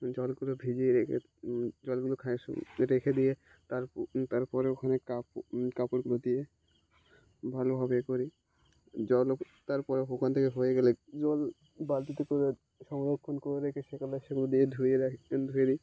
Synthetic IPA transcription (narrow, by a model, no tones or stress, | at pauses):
d͡ʑɔlɡulobʱid͡ʒieɾekʰḛ | d͡ʒɔlɡulokʰajʃṵɾekʰed̪ije | t̪aɾt̪aɾpɔɾeokʰanekapkapoɽɡulod̪ije | bʱalobʱabekoɾi | d͡ʑɔl | t̪aɾpɔɾeɦokʰant̪ʰekeɦojeɡɛled͡ʒɔl | balt̪it̪ikoɾe | ʃɔmd̪okʰːonkoeɾekʰeʃekɔlaʃeɡulod̪ied̪ʱueɾd̪ʱued̪i